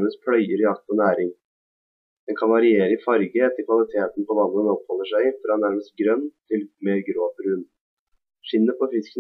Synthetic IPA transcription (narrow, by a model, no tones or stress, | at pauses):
məst̪̚pʰɽœʏəɾɪɑk̚t̪ɔnæːɾɪŋ | d̪̥ɛnkʰɑnʋɑɾɪeːɾəɪfɑɾɡəɛt̪ʰːəlkʰʋɑlɪt̪ʰeːt̪npɔʋɑnːənɔphɔlːəʂæɪfɔɾɑnːæɾməst̪ɡɾœnːt̪ʰɪlmeːɾɡɾoːpɾʉn | ʂɪnːəpʰɔfɪskən